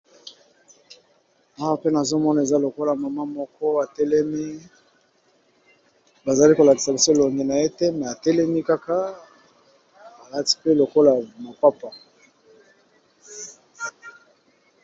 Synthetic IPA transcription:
a˦wa˦pe˦na˨zo˦mɔ˦na˨e˨za˦lo˨ko˦la˨ma˨ma˦mɔ˦kɔ˦a˨tɛ˦lɛ˦mi˦ | ba˨za˨li˦ko˨la˨ti̥˨sa˨bi˨so˦˨lo˨ŋɡe˨na˨e˦te˦mɛ˨a˨tɛ˦lɛ˦mi˦ka˦ka˦ | a˨la˦ti̥˨pe˦lo˨ko˦la˨ma˨pa˦pa˨

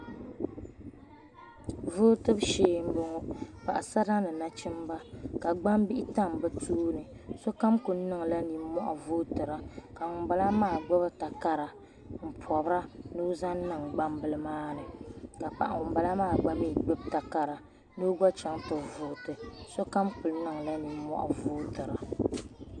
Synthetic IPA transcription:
vʊː˦tɨ˦bʃeː˦m̩˦bɨ˦ŋo˦pa̰˨ʔa˨sa˦ɾa˦nɨ˨na˦t͡ʃɪ˦mba˦ka˨ɡ͡ba˦mbi˦ʔɪ˦ta˦m˨bɨ˦tʰuː˦nɨ˨so˦ka˦mku˨n˦nɨ˦ŋ˨la˦ni˨˦mɔ̰˦ʔa̰˨vʊ˦tɨ˨ɾa˦ka˨ŋʊ˨m˦ba˦la˦maː˦˨ɡ͡bɨ˦bɨ˦ta˨ka˦ɾa˨ | m̩˨pʰɔ˨bɾa˦no˦za˦n˦nɨ˨ŋɡ͡ba˦mbɨ˨lɨ˦maː˦nɨ˨ka˨pa̰˨ʔa̰˨ŋʊ˨m˦ba˨la˦maː˦˨ɡ͡ba˦mi˦˨ɡ͡bɨ˦b̚ta˨ka˨ɾa˨ | no˦ɡɔ˦t͡ʃa˦ŋtʊ˨vʊ˨tɨ˨so˦ka˦mkʊ˨lnɨ˦˨ŋ˨la˦ni˨˦mɔ̰˦ʔa̰˨vʊː˦tɨ˨ɾa˨

